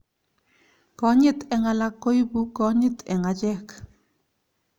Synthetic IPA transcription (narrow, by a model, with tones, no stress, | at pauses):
kɔ˦ɲɪ˦t̪ɛ˨ŋa˨la˨˦kːo˦jbu˦kɔ˨˦ɲɪ˦t̪ʰɛ˨ŋa˨t͡ʃɛ˦k